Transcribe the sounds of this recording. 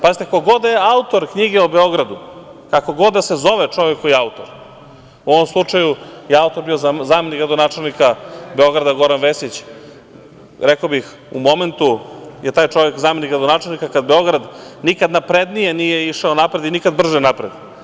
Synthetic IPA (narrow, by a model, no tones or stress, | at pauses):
pazit̪ekakoɡo̞d̪eaut̪o̞ɾkɲiɡeubeo̞ɡɾad̪ukako̞ɡo̞d̪d̪asezo̞ʋet͡ʂo̞ʋekoiaut̪oɾ | uoʋomslˠut͡ʂajujeaut̪o̞ɾbio̞zzameniɡɾad̪o̞nat͡ʃelˠnikabe̞o̞ɡɾad̪aɡo̞ɾanʋesit͡ɕ | ɾekobix | ṵmo̞me̞nt̪ujet̪aːjt͡ʃo̞ʋekzameniɡɾad̪onaːt͡ʃelˠnikakad̪beo̞ɡɾad̪nikad̪napɾed̪nijenijeiʃaonapɾe̞d̪inikad̪̚br̩ʒenapɾed̪